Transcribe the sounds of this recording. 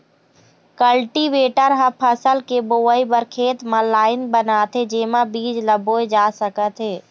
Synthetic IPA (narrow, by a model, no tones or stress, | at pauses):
kəlʈiʋeːʈəɾɦə̃pʰəsəlkeboːəibəɾkʰeːt̪mãlaːɪnbənaːt̪ɦed͡ʒeːmãbiːd͡ʒləboːed͡ʒaːsəkət̪ɦeː